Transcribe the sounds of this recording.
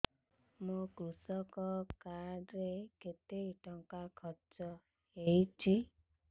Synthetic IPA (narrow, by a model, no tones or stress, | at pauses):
mũkɾusɔkɔkaɾeket̪eiʈɔŋkakʰɔt͡ʃɔ | heit͡ʃʰi